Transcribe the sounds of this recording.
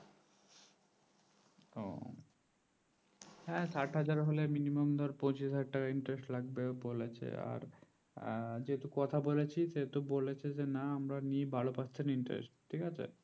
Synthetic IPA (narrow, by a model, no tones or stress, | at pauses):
o̰ | hɛ̃saʈɦad͡ʑaɾɦoleminimomd̪ʱɔɾpõt͡ɕiʃɦaɖ̚ʈakaiɳʈɾesʈlaɡ̚beobolet͡ɕʰḛa̰ɾ | d͡ʑeɦt̪ukɔt̪ʰabolet͡ɕʰiset̪ubolet͡ɕʰed͡ʑenaamɾanibalopast͡ɕʰeniɳʈɾḛsʈʈʰikat͡ɕʰḛ